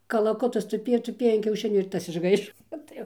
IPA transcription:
kɐlˠɐˈkʊtɐs tʊˈpʲeːjoː tʊˈpʲeːjoː ɐn kʲɛʊˈʃʲɪnʲuː ɪr ˈtɐs ɪʒˈɡɐɪʃoː ˈoːt tɐɪ jɛʊ

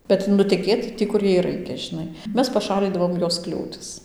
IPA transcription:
kɐt nʊtʲɛˈkʲeːt ˈtʲiː kʊr ˈjɛɪ ˈrɐɪkʲɛ ʒʲɪˈnɐɪ ˈmʲɛs pɐˈʃɑːlʲiːdɐʋoːm ˈjoːs ˈklʲuːtʲɪs

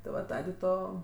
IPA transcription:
tʲɪ ˈʋɐ ˈtɑːdʲeː ˈtoː

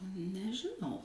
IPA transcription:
nʲɛʒʲɪˈnɐʊ

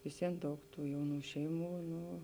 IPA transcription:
ʋʲɪsʲˈʋʲiɛn ˈdɐʊk ˈtuː ˈjɛʊˌnuː ˈʃʲɛɪˌmuː ˈnʊ

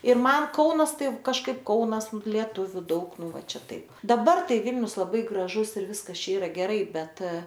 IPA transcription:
ɪr ˈmɐn ˈkɐʊnɐs ˈtɐɪ kɐʃˈkɐɪp ˈkɐʊnɐs lʲiɛˈtʊʋʲʊ ˈdɐʊk ˈnʊ ˈʋɐ ˈt͡ʃʲɛ ˈtɐɪp dɐˈbɐr ˈtɐɪ ˈʋʲɪlʲnʲʊs lˠɐˈbɐɪ ɡrɐˈʒʊs ɪr ˈʋʲɪskɐs ˈt͡ʃʲɛ ˈiːrɐ ɡʲɛˈrɐɪ ˈbʲɛt

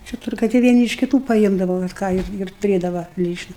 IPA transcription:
t͡ʃʲɛ ˈtʊrɡɐɪ tɐɪ ʋʲiɛˈnʲɪ ɪʃ kʲɪˈtuː pɐˈɪmdɐʋɐ ʋɐt ˈkɑː ɪr tʊˈrʲeːdɐʋɐ ˈlʲiːt͡ʃnɐ

